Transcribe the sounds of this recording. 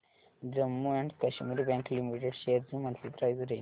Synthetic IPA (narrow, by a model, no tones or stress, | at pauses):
d̪ɾɐmːuɛ̃ɳɖkɐʃumuɾibæ̃ːŋklimiʈeɖʃeːɾzumɐ̃nt̪ipɾaɪzɾeː